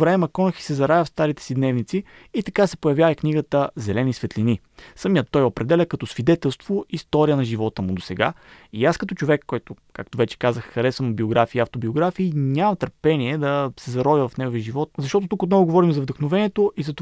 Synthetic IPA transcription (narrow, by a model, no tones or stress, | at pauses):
vɾɛmɛmɐkɔnəxi̥sɛzɐɾajəfst̪aɾit̪ɛ̥sid̪nɛvnit̪siː | t̪ɐkasɛ̥pojɐvjavikniɡət̪əzɛlɛnisvɛt̪lini | səmiət̪ːɔjopɾɛd̪ɛlʲəkɐt̪ɔsvid̪ɛt̪ɛlˠst̪voist̪ɔɾiənɐʒivɔt̪əmʊd̪osɛɡa̰ | iaskɐt̪ɔt͡ʃovɛkːɔjt̪ʊkak̚t̪ovɛt͡ʃɛ̥kazəxxɐɾɛsvəmbioɡɾafiːaft̪obioɡɾafiːnʲamɐt̪əɾpɛniɛd̪ɐsɛzɐɾɔvəvɐfnɛɡoviəʒivɔt̪̚zɐʃt̪ɔt̪ot̪ukot̪nɔvʊɡovɔɾimzɐvd̪əxnovɛniɛt̪oʔizɐt̪